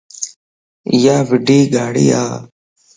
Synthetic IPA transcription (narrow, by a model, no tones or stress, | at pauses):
ɪjaːʋɪɖiːɡʱaːɽḭːa̰ː